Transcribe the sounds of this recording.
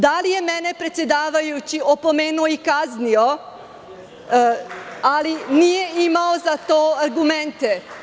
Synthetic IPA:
d̪alije̞mɛnepɾe̞t̪sjed̪aːʋajut͡ɕiopo̞meːnuoikaznio | alinije̞imaozat̪oːaɾɡument̪e

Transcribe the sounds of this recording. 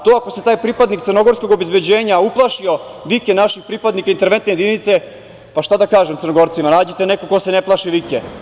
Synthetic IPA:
t̪oːako̞set̪aːjpɾipad̪nikt̪sərno̞ɡo̞ɾsko̞ɡobezbed͡ʑeːɲauplˠaʃio̞ʋikenaʃixpɾipad̪nikaint̪eɾʋent̪neje̞d̪init̪se | paʃt̪ad̪akaːʒemt̪ərnoɡo̞ɾt̪simanaːd͡ʑet̪enekoko̞se̞neplˠaʃiʋike

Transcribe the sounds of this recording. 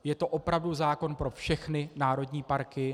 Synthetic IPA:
jɛt̪o̞ʔo̞pɾavduzaːko̞npɾo̞fʃɛxnɪnaːɾo̞dɲiːpaɾkɪ

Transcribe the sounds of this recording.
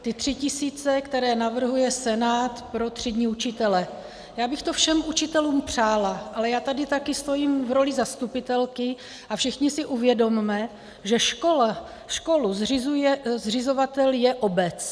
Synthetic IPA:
t̪ɪt̪r̥ɪcɪsiːt͡sɛkt̪ɛɾɛːnavr̩ɦujɛsɛnaːt̪pɾo̞t̪r̝̥ɪdɲiːut͡ʃɪt̪ɛlɛ | jaːbɪxt̪ofʃɛmʔut͡ʃɪt̪ɛluːmpr̝̥aːlaʔalɛjaːt̪adɪt̪akɪst̪o̞jiːmvɾo̞lɪzast̪upɪt̪ɛlkɪ | ʔafʃɪxɲɪsɪʔuvjɛdo̞mmɛ | ʒɛʃkola | ʃko̞luzrɪzujɛzrɪzo̞vat̪ɛljɛʔo̞bɛt͡s

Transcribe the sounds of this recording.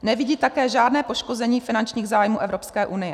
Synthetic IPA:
nɛvɪɟiːt̪akɛːʒaːdnɛːpo̞ʃko̞zɛɲiːfɪnant͡ʃɲiːɣzaːjmuːʔɛvɾopskɛːʔunɪjɛ

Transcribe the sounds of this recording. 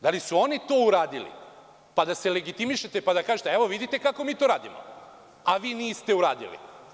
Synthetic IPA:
d̪alisuo̞nit̪oːuɾaːd̪ilḭ | pad̪ase̞le̞ɡit̪imiʃet̪epad̪akaːʒet̪eeʋo̞ʋid̪it̪e̞kako̞miːt̪oɾaːd̪imo̰ | aʋiːniːst̪e̞uɾaːd̪ḭlḭ

